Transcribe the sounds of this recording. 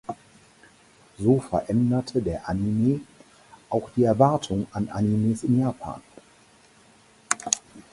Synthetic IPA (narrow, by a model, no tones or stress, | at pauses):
zoːfɛɐʔɛndɐtʰədeːɐʔanimeː | ʔaʊxd̥iːɛɐvaɐtʰʊŋanʔa̰nimeːsɪnjaːpʰa̰ːn